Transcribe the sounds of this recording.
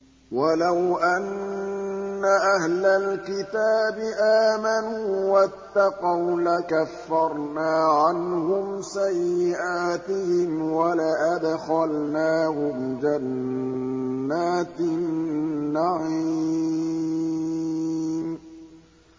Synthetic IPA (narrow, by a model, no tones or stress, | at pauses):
walawʔanː | aʔahlalkɪt̪aːbɪʔaːmanuːwat̪ːɑqɑwlakafːɑɾˤnaːʕanhʊmsajːɪʔaːt̪ɪhɪmwalaʔad̪xalnaːhʊmd͡ʒan | aːt̪ | aʕi | m